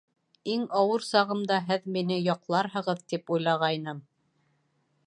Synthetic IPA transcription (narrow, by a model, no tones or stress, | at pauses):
iŋɑwɤɾsɑʁɤ̆md̪ɑɦɘðminɘjɑqlˠɑɾɦɤ̆ʁɤðt̪ipujlˠɑʁɑjnɤm